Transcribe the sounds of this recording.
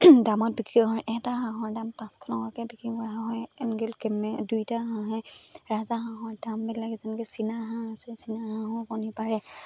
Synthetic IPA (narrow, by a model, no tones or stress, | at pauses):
damɔt̚bikiɦɔɹʔɛtaɦãɦɔɹdampãskʰɔnɔkakɛbikɹikɔɹaɦãɦɔjnɡɛlkɛmɛdujtaɦãɦɔjɹazaxãɦɔɹdambɛdlaɡɛzɛnkɛsinaɦãasɛsinaɦãɦɔkɔnipaɹɛ